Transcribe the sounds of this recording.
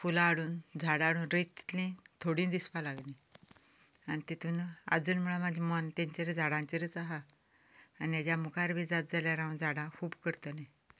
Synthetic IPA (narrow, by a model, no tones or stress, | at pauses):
fulaːɽuːnd͡zʱaɽaɽuːnɾəjt̪i̥t̪lĩt̪ʰoɽĩːd̪ispalaɡnĩ | anit̪it̪uːna̰d͡zuːnm̤əɭamad͡ʑʱĩmɔnt̪aɲt͡ɕeɾəd͡zʱaɽãɲt͡ɕeɾət͡saɦaː | niad͡ʑjamukʰaɾbʱiːd͡zat̪̚d͡zaljaɾãw̃d͡zʱaɽãkʰuːbkəɾt̪ənẽ